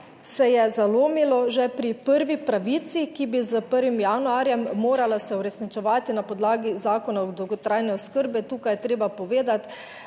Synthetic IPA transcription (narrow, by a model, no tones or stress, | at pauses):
sɛjɛzaloːmilɔʒɛpɾipəɾʋipɾaʋit̪sikibizəpəɾʋimjanuaːɾjɛmːoːɾalasɛuɾɛsnit͡ʃɛʋaːt̪inapɔd̪laːɡizaːkɔnaɔd̪ɔwɡɔt̪ɾajnɛɔskəɾbɛt̪uːkajɛt̪ɾeːbapɔʋeːd̪at̪